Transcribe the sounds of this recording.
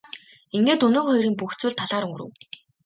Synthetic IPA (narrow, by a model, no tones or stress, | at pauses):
iŋɡeːt̪ɵnoːχɔjɾiːmpuxt͡swŭːɮt̪ʰːaɮaːɾɵŋɡɵ̆rɘ̰̆w